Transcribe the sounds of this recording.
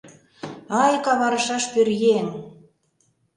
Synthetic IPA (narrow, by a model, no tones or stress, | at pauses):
ɑjkɑβɑɾə̆ʃɑʃpørɣen